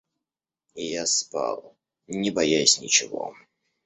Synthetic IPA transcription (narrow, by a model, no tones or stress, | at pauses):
ijaspa̰lˠ | nʲɪbajajʊsʲnʲɪt͡ɕɪvɔ̰